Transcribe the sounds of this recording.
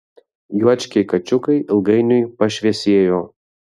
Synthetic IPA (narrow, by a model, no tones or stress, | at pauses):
juɔt͡ʃʲkʲɛɪkɐt͡ʃʲʊkɐɪɪlˠɡɐɪnʲʊjpɐʃʲʋʲɛsʲiɛjoː